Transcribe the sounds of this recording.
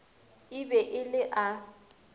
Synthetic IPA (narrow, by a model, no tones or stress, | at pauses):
ɪbɛʔɪlɪʔa